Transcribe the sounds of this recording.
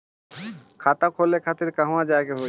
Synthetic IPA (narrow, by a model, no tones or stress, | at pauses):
kʰat̪akʰolekʰat̪iɾkãɦõad͡ʑaeɡeɦo